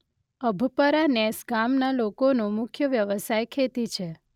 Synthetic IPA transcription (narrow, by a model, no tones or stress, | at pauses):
əbʱupəɾanɛsɡamnalokonõmʊkʰjəʋjəʋəsajkʰet̪it͡ʃʰe